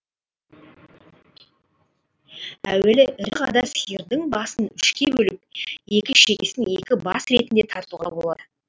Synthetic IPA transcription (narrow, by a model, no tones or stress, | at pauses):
æ̰we̞lɪʔɪɾqɑd̪ɑsijəɾd̪əɴbɑsənʏʃkʲebɵlɪp̚je̞kʲɪʃe̞kʲesɪne̞kʲɪbɑ̰sɾe̞t̪ɪnd̪e̞t̪ʰɑɾt̪uʁɑbolˠɑ̰d̪ə